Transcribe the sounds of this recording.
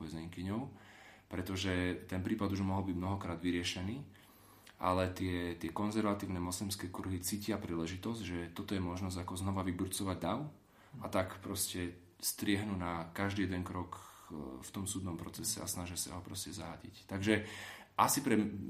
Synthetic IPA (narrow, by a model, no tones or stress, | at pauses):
ɛzɛŋkiɲɔʊpɾɛt̪ɔʒɛt̪ɛnpɾiːpad̪uʒmɔɦɔlbiɟmnɔɦɔkɾaːd̪ʋiɾɪɛʃɛniː | ʔa̰lɛt̪ɪɛt̪ɪɛkɔnzɛɾʋat̪iːʊnɛmɔslimskɛːkuɾɦit͡siːcɪapɾiːlɛʒit̪ɔzɟʒɛt̪ɔt̪ɔjɛmɔʒnɔzakɔznɔʋaʋibɾut͡sɔʋaɟd̪aʊ | at̪akpɾɔscɛ | st̪ɾɪɛɦnunakaʒd̪iːjɛd̪ɛŋkɾɔk | ft̪ɔmsuːd̪nɔmpɾɔt͡sɛsɛ̰a̰snaʒasa̰ɦɔpɾɔscɛza̰ɦa̰ɟḭct̪aɡʒɛ | ʔasipɾɛ